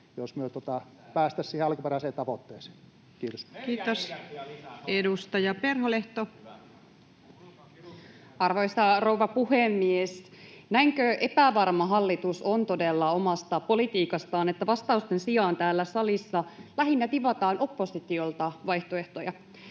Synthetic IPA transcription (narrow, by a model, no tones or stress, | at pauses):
josmyøt̪ot̪ɑ | pæːst̪æssiːheɑlkuperæˑseːnt̪ɑʋot̪ːeːse̥ːn | kiːt̪oskiːt̪os | edust̪ɑjɑperɦoleht̪o | ɑrʋojsɑro̞wʋɑpuhemːiesnæiŋkøʔe̞pæʋɑrmɑɦɑlːit̪uso̞nt̪o̞delːɑomɑst̪ɑpo̞lit̪iːkɑst̪ɑːnet̪ːæʋɑst̪ɑust̪e̞nsiɑːnt̪æːlːæsɑlisːɑlæɦinːæt̪iʋɑt̪ɑːnʔo̞pːo̞sit̪io̞lt̪ɑʋɑjht̪oe̞ht̪ojɑ